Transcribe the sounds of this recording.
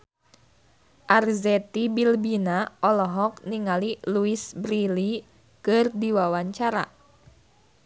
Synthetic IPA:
ʔarzɛt̪ibilbinaɔlɔɦɔk̚niŋaliluisbɾili | kɨrdiwawaɲt͡ʃaɾa̰

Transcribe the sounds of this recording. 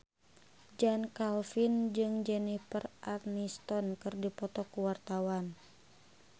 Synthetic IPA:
d͡ʒankalfind͡ʒɨŋd͡ʒɛnifərʔarnist̪ɔnkɨrdipɔt̪ɔkuwart̪awan

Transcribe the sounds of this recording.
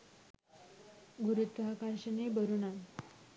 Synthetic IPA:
ɡʱuɾut̪ːakaɾɕənebəɾunan

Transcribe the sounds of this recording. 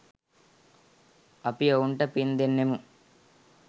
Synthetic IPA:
ɐpijɐuɳʈɐpind̪enːemu

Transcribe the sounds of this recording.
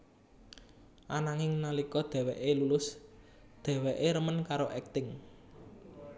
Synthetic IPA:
ʔanaŋɪŋnalikɔd̪̥ɛ̤weʔelulʊs | d̪̥ɛ̤weʔeɾəmənkaɾoʔɛk̚t̪ɪŋ

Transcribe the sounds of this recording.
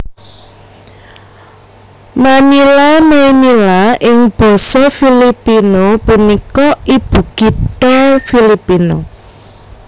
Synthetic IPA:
manilamenilaʔɪŋb̥ɔ̤sɔfilipinopunikɔʔib̥ṳɡ̥it̪ɔfilipino

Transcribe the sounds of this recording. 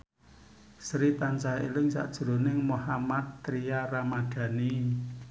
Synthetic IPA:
sɾit̪ansaḛlɪŋsa̰ʔd̥ʒ̥ə̤ɾonɪŋmuhamat̪ːɾijaɾamad̪̥ä̤ni

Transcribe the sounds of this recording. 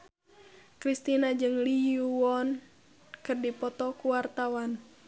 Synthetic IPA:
kɾist̪inad͡ʒɨŋliuɔn | kɨrdipɔt̪ɔkuwart̪awan

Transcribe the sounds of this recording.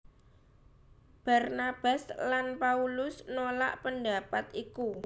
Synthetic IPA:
b̥a̤rnab̥a̤slanpaulʊsnola̰ʔpənd̪apat̪iku

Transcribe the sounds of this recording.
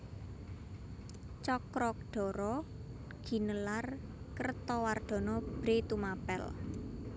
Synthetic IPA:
t͡ʃɔkɾɔk̚ɖ̪̥ɔ̤ɾɔ | ɡ̥i̤nəlar | kərt̪ɔward̪̥ɔ̤nɔb̥ɾet̪umapɛ̰l

